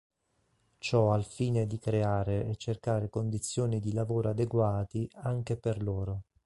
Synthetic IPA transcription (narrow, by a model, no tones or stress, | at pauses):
t͡ʃɔalfiːned̪ikɾeaːɾeɛt͡ʃːerkaːɾekond̪it̪sːjoːnid̪ilavoːɾoad̪eɡwaːt̪iaŋk̟eperloːɾo